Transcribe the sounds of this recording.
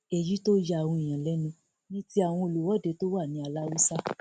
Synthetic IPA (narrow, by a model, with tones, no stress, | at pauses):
ɛ˨ji˦to˦ja˧˨wũ˧i˨j̃ã˨lɛ˦nũ˧ | nĩ˦ti˦a˨w̃ɔ̃˧o˨lu˨wɔ˦˨de˧˦to˦wa˦˨nĩ˨˦a˧la˦wu˦sa˦